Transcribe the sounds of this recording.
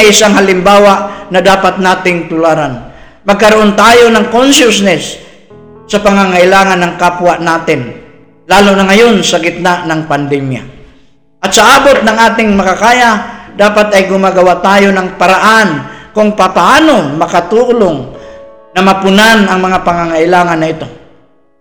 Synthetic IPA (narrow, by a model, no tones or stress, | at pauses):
jʔɪsaŋɦalɪmbaːwaʔnɐd̪aːpat̪̚naːt̪ɪŋt̪ʊlaːɾan | mɐɡ̚kɐɾoʔont̪aːjonɐŋkonʃʊsnɛsː | ɐpaŋaŋaʔɪlaːŋanːɐŋkapwaʔnaːt̪ɪn | laːlʊnɐŋajonsɐɡɪt̪̚naʔnɐŋpand̪ɛmja̰ | ʔɐt̪sɐʔaːbot̪̚nɐŋʔaːt̪ɪŋmɐkakaːjad̪aːpat̪ɐjɡʊmaɡɐwaʔt̪aːjonɐŋpaɾaʔankʊŋpapaʔaːnomɐkat̪uʔloŋ | nɐmɐpʊnanɐŋmɐŋapɐŋaŋaʔɪlaːŋanːɐɪt̪o̞